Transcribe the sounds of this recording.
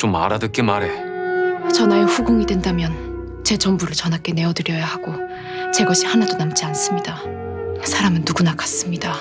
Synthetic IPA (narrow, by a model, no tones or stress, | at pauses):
t͡ɕoma̰ɾadɯk͈emaɾe̞ | t͡ɕʌnajoɸuɡɯŋidwe̞ndamjʌn | t͡ɕe̞t͡ɕʌmbuɾɯɭt͡ɕʌnɦak͈e̞ne̞ʌdɯɾjʌjahaɡo | t͡ɕe̞ɡʌɕʰihanadonamt͡ɕ͈ians͈ɯmɲida | sʰaɾamɯnːuɡunakʰḁs͈ɯmɲida